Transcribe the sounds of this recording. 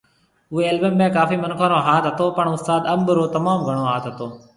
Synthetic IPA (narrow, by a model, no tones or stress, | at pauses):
ʊɦeːeːlbəmbẽːkaːfiːmənkʰaːnoːɦaːt̪ɦət̪oːpəɳʊst̪aːd̪əmbəɾoːt̪ɐmaːmɡʱəɽ̃oːɦaːt̪ɦət̪oː